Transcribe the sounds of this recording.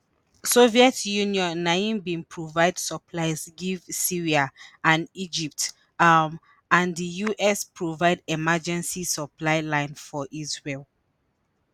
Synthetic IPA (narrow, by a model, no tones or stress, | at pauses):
soviɛtjuniɔ̃nːaĩnbĩnpʰɹovaɪdsəpʰlaɪzɡivsiɹiaʔãnid͡ʒip̚t | ãndəjuʔɛspɹovaɪdɛmad͡ʒɛ̃nsisəplaɪlãɪ̃nfɔʔizɹel